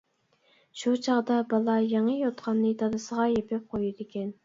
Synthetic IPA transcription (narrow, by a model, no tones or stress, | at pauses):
ʃut͡ʃʰɑʁd̪ɑbɑlˠɑjeŋəjot̪qʰɑnːɨt̪ɑd̪ɨsəʁɑjepʰɪp̚qʰojid̪ɪkʲɛn